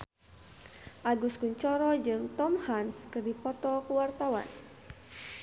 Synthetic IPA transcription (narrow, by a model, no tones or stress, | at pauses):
ʔaɡuskuɲt͡ʃɔɾɔd͡ʒɨŋt̪ɔmhanskərdipɔt̪ɔkuwart̪awa̰n